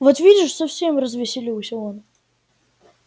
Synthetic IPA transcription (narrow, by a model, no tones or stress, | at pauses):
vot̪vʲidʲɪʂsɐfsʲemrəzvʲɪsʲɪlʲisʲɪon